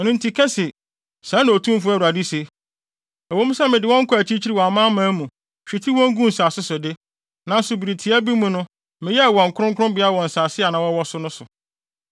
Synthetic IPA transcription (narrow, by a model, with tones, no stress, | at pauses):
nʊ̃˦n˦tʰi˨kʰɛ˦sɪ˨ | sã˨˦nʊ̃˨o˨tʰũ˦m˦fʊ˦æ˦˨a˨di˦se˨ | ɛ˨wo˦mũ˦sɛ˦mɪ̃˨dɪ˨wɔ̃˦ŋ̩˦kʰʊ˦æ˨t͡ɕʰi˦t͡ɕʰi˦ɾi˦wɔ˨a˨mãː˦mãː˨˦mũ˨ | ɕᶣi˨tʰi˦wɔ̃˦ŋ˦ɡũ˦n̩˨saː˨sʊ˦sʊ˨dɪ˦ | nã˨n̩˦sʊ˨bi˨ɾi˨tʰi˨a˦bi˦mũ˨nʊ̃˦ | mɪ̃˨jɛ˦˨wɔ̃˨ŋ̩˨kʰʊ˦ɾʊ̃˦ŋkʰʊ˦ʊ̃˦mbɪ˨˦a˦˨wɔ̃˨n̩˨saː˨sɪ˦a˨nã˨wɔ˦wɔ˦sʊ˦nʊ̃˦sʊ˨